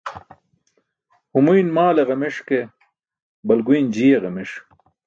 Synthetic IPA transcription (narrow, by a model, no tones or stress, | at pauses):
humujnmaːleʁɐmeʂke | bɐlɡujnd͡ʑijeʁɐmiʂ